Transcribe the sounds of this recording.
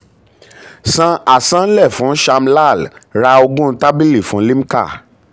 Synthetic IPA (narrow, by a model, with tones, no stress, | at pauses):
sã˧a˨sã˦n̩˦lɛ˦˨fũ˨˦ʃa˧m̩˦la˦˨lɾa˧o˧ɡũ˦˧ta˦bi˦li˦˨fũ˨˦li˦m̩˦ka̰˦˨